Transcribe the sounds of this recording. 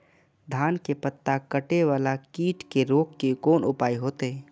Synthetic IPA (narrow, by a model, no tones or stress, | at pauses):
d̪ʱaːnkepət̪ːakəʈeʋaːlakiːʈkeɾoːkːekoːnʊpaːiɦoːt̪eɛː